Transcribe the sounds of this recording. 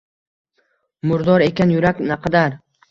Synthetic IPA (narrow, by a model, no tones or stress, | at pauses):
mʊɾd̪ɒɾe̞kʲanjʊɾakʲnaqʰɑd̪aɾ